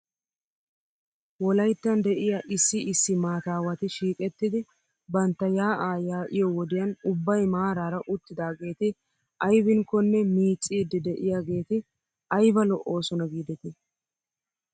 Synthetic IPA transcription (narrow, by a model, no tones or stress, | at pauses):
wɔlɐjt̪ːɐnd̪ɛʔɪjaʔɪsːɪɪsːɪmaːt̪aːwɐt̪ɪʃiːkʼɛt̪ːɪd̪ɪ | bɐnt̪ːɐjaːʔaːjaːʔɪjɔwɔd̪ɪjɐnʊbːɐjmaːɾaːɾɐʔʊt̪ːɪd̪aːɡe̞ːt̪ɪ | ʔɐjbɪŋkːɔnːɛmiːt͡sʼːiːd̪ːɪd̪ɛʔɪjaːɡe̞ːt̪ɪ | ɐjbɐlɔʔo̞ːsɔnɐɡiːd̪ɛt̪ɪ